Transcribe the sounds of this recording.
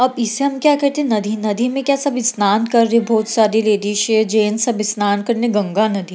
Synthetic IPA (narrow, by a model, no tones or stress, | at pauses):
ɐbɪseɦɐmkjaːkɛɦt̪eɦẽnɐd̪ʱinɐd̪ʱimẽkʲjaːsɐbɪsnaːnkɐɾːebʱɔːt̪saːd̪ileːd̪iʃeːd͡ʒeːnsɐbɪsnaːnkɐɾneɡɐ̃ŋɡanɐd̪ʱi